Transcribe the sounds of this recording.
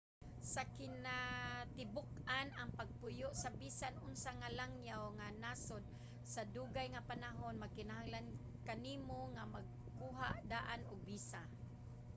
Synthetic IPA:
sakɪnat̪ɪbʊk̚anaŋpaɡ̚pʊjʊʔsabisanʔʊnsaŋalaŋjawŋanasod̪̚ | saduɡajŋapanaɦʊnmaɡ̚kɪnaɦaŋlan | kaniːmoŋamaɡ̚ | kuɦaʔd̪aʔanʊɡ̚bisa

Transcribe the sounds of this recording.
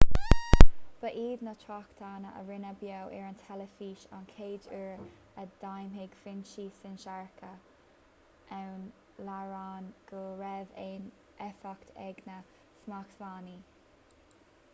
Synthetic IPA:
b̥əʔiːd̪nətʰɹakt̪ʰaːnəʔə̰ɹɪnəbjowʔɛɹənt̪ʰɛləfiːʃa̰nkʰeːdəɹ | əd̥̪ajmɦeɡ̥fɪnʃiːsɪnʃaɹkʰə | ʔawn | laɹaːnɡ̥əɹɛveːn | ʔɛfakt̪ʰɛɡnə | smaktvaːni

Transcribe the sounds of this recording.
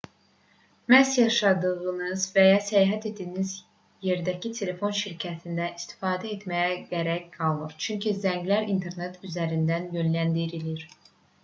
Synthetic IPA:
mæsjɑʃɑd̪ɯʁɯnɯzvæjɑsæjɦæt̪ʰed̪iniz | je̞ɾd̪æcʰit̪ʰe̞le̞fo̞nʃiɾcʰæt̪ʰind̪æist̪ʰi̥fɑːd̪æe̞t̪mæjæɡæɾæɾɡ̥ɑlˠnɯɾt͡ʃʰyɲcʰizæɲɟlæɾint̪ʰe̞ɾnet̪ʰyzæɾind̪ænjø̞nlænd̪iɾiliɾ̥

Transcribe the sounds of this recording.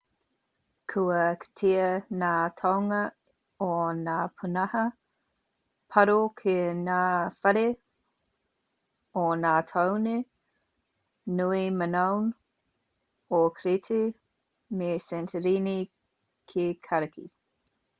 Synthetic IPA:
kʰuɐkʰe̥tʰiənaːtʰawŋɐ | onaːpʰunɐhɐ | pʰɐɾokʰenaːfɐɾe | onaːtʰawne | nuimənown | okʰɾitʰe | mesɛntʰəɾini | kʰekʰɐɾɐkʰḭ

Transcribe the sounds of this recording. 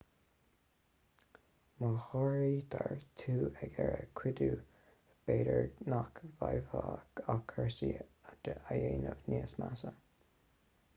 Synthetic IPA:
maxɔɹiːt̪ʰaɹt̪ʰuːɛɡɛɹəkʰwɪd̪uː | b̥eːɾəɹnakvajvaːɡakʰəɹsiad̪̥əʔajeːnəvneːsmasə

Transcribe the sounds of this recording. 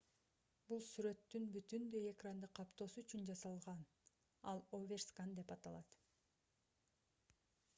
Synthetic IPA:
bulˠsyɾø̞t̪ːynbyt̪ynd̪øjekrand̪ɯqʰːɑpt̪o̞ːsuyt͡ʃynd͡ʒɑsɑlˠʁɑn | ɑlˠovʲerskand̪e̞pɑt̪ɑlˠɑt̪

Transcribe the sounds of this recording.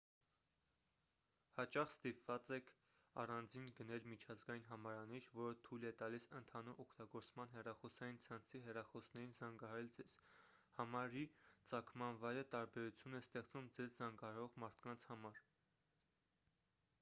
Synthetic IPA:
hɑt͡ʃɑχst̪ipvɑt͡sɛkʰ | ɑ̰rɑnd͡zinɡənɛlmit͡ʃʰɑzɡɑjinɦɑmɑɾɑniʃvɔɾət̪ʰujlɛt̪ɑlisənt̪ʰɑnuɾɔkʰt̪ɑɡɔɾt͡smɑnɦɛrɑχɔsɑjint͡sʰɑnt͡sʰiɦɛrɑχɔsnɛɾinzɑŋɡɑɦɑɾɛld͡zɛz̥ | hɑmɑɾit͡sɑkʰmɑnvɑjɾət̪ɑɾbɛɾut͡sʰjunɛst̪ɛχt͡svumd͡zɛzzɑŋɡɑɦɑɾɔʁmɑɾt̪ʰkɑnt͡sʰhɑmɑɾ

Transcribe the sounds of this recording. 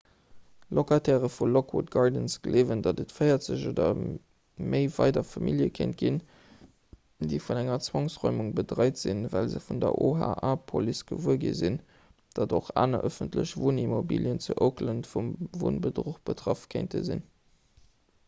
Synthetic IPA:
lokatʰɛːʁəfulokʰwot̚ɡɑɹdənsɡ̥əlʔeːvəndɑdətfɜɪɐtz̥əʑoːdɐ | məɪvɑɪdɐfɑmiljəkʰent̚ɡ̥in | diɪfunæŋɐt͡swɑŋsʁɔʏmuŋbədʁɑɪtz̥invælzəfundɐ̰ʔoɦa̰ʔaːpʰolisɡ̥əvuəɡḭzin | d̥ɑdoχa̰ːnɐʔəfəntləɕvoːnimobḭljənt͡suʔoʊkləntfumvo̰ːnbədʁoχb̥ətʁ̥ɑfkʰeɪntʰə̰zḭn

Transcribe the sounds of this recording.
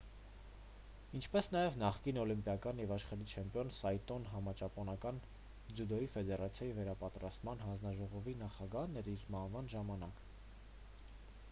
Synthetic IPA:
int͡ʃʰpɛsn̪ɑjɛvnɑχkinɔlimpjɑkɑnjɛvɑʃχɑɾit͡ʃʰɛmpjɔnsɑjt̪ɔnɦɑmɑt͡ʃɑpɔnɑkɑn | d͡zjud̪ɔjifɛd̪ɛɾɑt͡sʰjɑjivɛɾɑpɑt̪ɾɑst̪mɑnɦɑnd͡znɑʒɔʁɔvinɑχɑɡɑhnɛɾiɾmɑhvɑnʒɑmɑnɑk

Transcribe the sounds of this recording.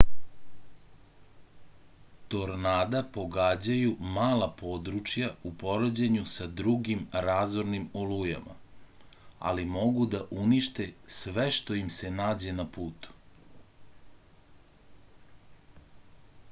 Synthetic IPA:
t̪o̞ɾnaːd̪apo̞ɡaːd͡ʑajumaːlapo̞ːd̪ɾut͡ʂjaupo̞ɾod͡ʑeɲusad̪ɾuɡimɾaːzoɾnimoluja̰ma̰ | a̰limo̞ɡud̪aʔuniʃt̪e̞sʋeʃt̪o̞imse̞naːd͡ʑe̞napuːt̪u̥

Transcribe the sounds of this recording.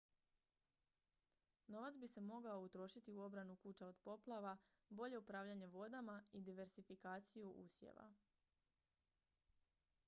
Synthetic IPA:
no̞ʋat̪sbise̞mo̞ɡao̞ut̪ɾo̞ʃit̪iuo̞bɾanukuːt͡ɕaod̪po̞plˠaʋa | bo̞ʎe̞upɾaːʋʎaɲe̞ʋo̞d̪amaid̪iʋe̞ɾsifikaːt̪sijuʔṵːsjḛʋa̰

